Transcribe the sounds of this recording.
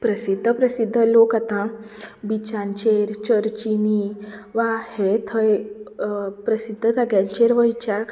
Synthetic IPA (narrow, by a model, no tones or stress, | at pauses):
pɾəsid̪ʱːəpɾəsid̪ʱːəlokat̪ã | bit͡ɕãnt͡ɕeɾt͡ɕəɾt͡ɕiniʋahet̪ʰəj | pɾəsid̪ʱːəd͡zaɡjãɲt͡ɕeɾʋəjt͡ɕak